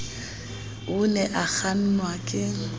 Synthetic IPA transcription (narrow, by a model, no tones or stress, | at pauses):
ʊnɛʔak͡xʰan̩nwakʼɪŋ̩